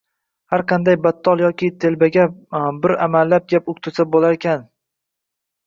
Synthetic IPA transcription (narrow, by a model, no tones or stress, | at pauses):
haɾqʰɑnd̪ajbat̪ʰːɒlˠjɒkʲɪt̪ʰe̞lbaɡʲabɪɾamallːap̚ɡʲapʊk̚ʲt̪ʰʊsʰabolaɾekʲʰan